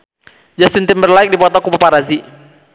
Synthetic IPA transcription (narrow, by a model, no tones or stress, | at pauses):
d͡ʒast̪ɪnt̪ɪmbərlaɪk̚dipɔt̪ɔkupapaɾazi